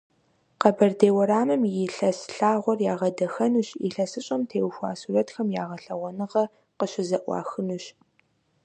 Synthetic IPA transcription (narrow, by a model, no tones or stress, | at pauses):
qɐbɐrdeːwɐɾaːmɨmjɪɬɐsɬaːʁʷɔrjaːʁɐdɐxɐnuɕḭɬɐsɨɕʼɐmtʰeːwxʷa̰ːsuːrɐtxɐmjaːʁɐɬɐʁʷɔnɨʁɐ | qəɕɪzɐʔʷɑ̰ːxɨnuɕ